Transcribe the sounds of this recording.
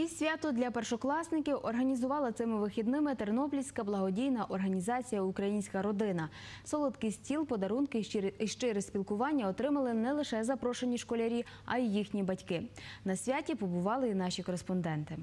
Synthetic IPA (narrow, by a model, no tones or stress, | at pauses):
isʲʋʲat̪ʊd̪lʲɐpɛrʃɔklˠɑsnɪkʲiwʔɔrɦɐnʲizʊʋɑlˠɐt̪sɪmɪʋɪxʲid̪nɪmɪt̪eɾnɔplʲisʲkɐblˠɐɦɔdʲijnɐʔɔrɦɐnʲizɑt͡sʲijɐukɾɐjinʲsʲkɐɾɔd̪ɪnɐsɔlˠɔd̪kɪsʲtʲilˠpɔd̪ɐɾunkɪʃt͡ʃɪɾɪsʲpʲilˠkʊʋɑnʲːɐɔt̪ɾɪmɐlˠɪnɛlˠɪʃɛzɐpɾɔʃenʲiʃkɔlʲɐɾʲi | ɐ̰ijixnʲibɐtʲkɪnɐsʲʋʲatʲipɔbʊʋɑlˠɪin̪ɑʃʲikɔɾespɔnd̪ɛnt̪ɪ